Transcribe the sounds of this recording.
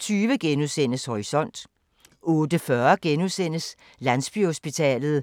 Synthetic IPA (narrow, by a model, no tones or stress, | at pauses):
t͡sʰyːʋəɡ̥enusen̰əshɒʁisɒ̽n̰d̥ | ɔ̽ːd̥əfɶɐɡ̥enuðˠsen̰əs | lænsb̥yho̝sb̥it͡sʰɛ̰ːlð̞̩ˠ